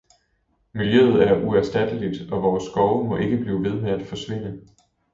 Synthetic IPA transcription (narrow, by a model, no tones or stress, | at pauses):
miljøð̞̩ˠæɐʔuæɐsd̥æd̥əlid̥ɒ̽ʋɒːsːɡ̥ɒʊmɒ̽ʔe̝ɡ̥əb̥liːʋe̝ð̞ˠmeæd̥fɒ̽sʋe̝n̰ə